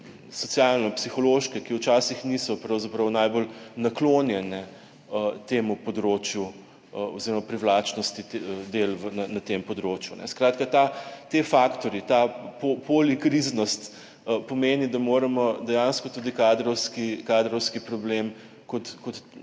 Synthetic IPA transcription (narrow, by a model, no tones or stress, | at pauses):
sɔt̪sjalnɔpsixɔloːʃkɛkiwt͡ʃaːsixnisɔpɾɐwzapɾɐwnajbolnakloːnjɛnɛ | ət̪eːmupɔd̪ɾot͡ʃju | əoziɾɔmapɾiwlaːt͡ʃnɔst̪id̪elʋənanɐt̪empɔd̪ɾoːt͡ʃjunɛ̰skɾaːt̪kat̪at̪efaːkt̪ɔɾit̪apopolikɾiznɔst̪ | əpɔmeːnid̪amoːɾɐmɔd̪ɛjanskɔt̪uːd̪ikaːd̪ɾɔwskikaːd̪ɾɔwskipɾɔblem | kɔt̪kɔt̪